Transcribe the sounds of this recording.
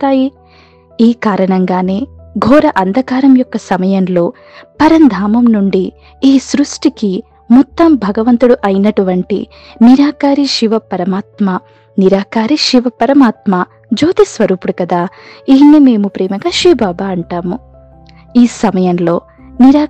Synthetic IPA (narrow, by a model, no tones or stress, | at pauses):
t̪aːji | iːkaːɾɐɳɐŋɡaːne̞ːɡʱɔːɾɐʔɐnd̪ʱɐkaːɾɐmjɔkːɐsɐmɐjɐmlo̞ː | pɐɾɐnd̪ʱaːmɐmnuɳɖi | iːsɾusʈiki | mɔt̪ːɐmbʱɐɡɐʋɐnt̪uɽuʔɐjinɐʈuʋɐɳʈḭ | niɾaːkaːɾiʃiʋɐpɐɾɐmaːt̪maː | niɾaːkaːɾiʃiʋɐpɐɾɐmaːt̪maː | d͡ʒoːt̪isʋɐɾuːpuɽukɐd̪aːiːnime̞ːmupɾɛːmɐɡaːʃɾiːbaːbaːɐɳʈaːmu | iːsɐmɐjɐmlo̞ː | niɾaː